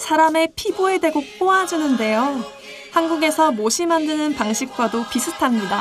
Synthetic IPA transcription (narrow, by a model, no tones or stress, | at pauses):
sʰaɾame̞pʰiboe̞dwe̞ɡop͈oad͡ʑunɯnde̞jo | hanɡuɡe̞sʰʌmoɕʰimandɯnɯnpaŋɕʰik̚k͈wadopisʰɯtʰamɲida